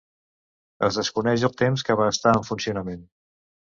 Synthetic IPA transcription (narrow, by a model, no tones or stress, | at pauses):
ə̰lzðəskunɛʃəlˠt̪emskəβaəst̪aəɱfunsiunəmen